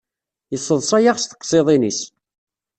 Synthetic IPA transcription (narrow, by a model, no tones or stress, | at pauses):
jəsˤːəðˤsˤajaʁst̪ə̥qːsˤeðˤinis